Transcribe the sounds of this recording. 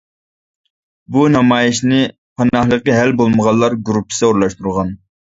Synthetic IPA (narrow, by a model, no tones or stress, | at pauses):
bunɑmɑːjɪʃnɪ | pʰɑnɑχlˠəqəɦælbolˠməʁɑlːˠɑɾɡuɾupʰːsɛuɾlˠɑʃt̪uɾʁɑn